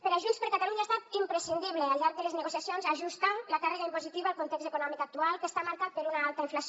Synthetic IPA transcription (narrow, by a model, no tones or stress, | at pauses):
peɾaʒunspeɾkat̪aluɲaːst̪at̪impɾesind̪iβlealʎːaɾk̚ðelezneɣosjasjonzaʒust̪anlakareɣaimpozit̪iβaalˠkont̪ɛkzekunɔmikak̚t̪ualˠkest̪amaɾkat̪̚peɾunaalˠt̪aiɱflas